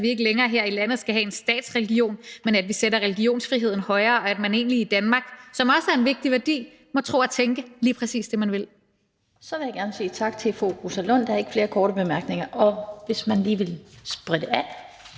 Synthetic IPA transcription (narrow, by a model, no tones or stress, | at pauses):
ʋie̝ɡ̥əleŋɐːɦeɐ̰ilæn̰ð̞̩ˠsɡ̥æɦæe̝nsd̥ɛ̰ːd̥sʁɛliɡ̥io̝̰ːnmenæd̥ʋiseɾɐʁɛliɡ̥io̝̰ːnsfʁiɦe̝ð̞̰ˠn̩hɒ̽ɪɐːɒ̽æd̥mæne̝̰ːnliːd̥ænmɑ̈ɡ̥sɒ̽mɒ̽səæɐenʋe̝ɡ̥̚d̥iʋæɐd̥ḭː | mɒ̽t͡sʰʁo̝̰ːæt͡sʰeŋɡ̥əliːpʰʁɛsḭːsd̥e̝mænʋe̝l | sɒ̽ʋe̝jäɡ̥æɐnəsiːt͡sʰɑ̈ɡ̥̚t͡sʰe̝foʁusælɔ̽n̰d̥ɑɐe̝ɡ̥əfle̝ːɐkʰɒːɾəb̥e̝mæɐɡ̥ne̝ŋɐʔɒ̽ʋe̝smænliːʋe̝lsb̥ʁɛɾ̥əæ